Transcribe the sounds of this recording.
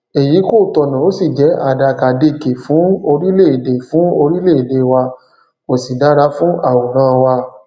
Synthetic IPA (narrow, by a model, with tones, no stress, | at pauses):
e˨ji˨˦ko˦˨tɔ˧˨nã˨o˨˦si˦˨d͡ʒɛ˨˦ʔa˦˨da˧˨ka˨de˧˨ke˨fũ˨˦o˧ɾi˦le˦˨i˨de˨fũ˨˦o˧ɾi˦le˦˨i˨de˧˨wa˧ | o˨si˨da˨˦ɾa˨˦fũ˦a˦˨wo˨ɾ̃ã˦˧wa˧